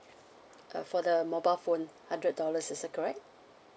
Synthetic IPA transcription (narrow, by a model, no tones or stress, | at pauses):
fɔdəmɔbaɪlfõnhãndɹət̚dɔləsɪsɛt̚kʰɔɹɛk̚t̚